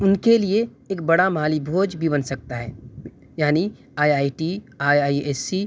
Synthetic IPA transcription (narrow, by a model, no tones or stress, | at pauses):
ʊnkelieː | kbɐɽamaːlibʱoːd͡ʒbʱibɐnsɐk̚t̪aɦɛː | jaːni | aːjaːiʈiaːjaːieːsːi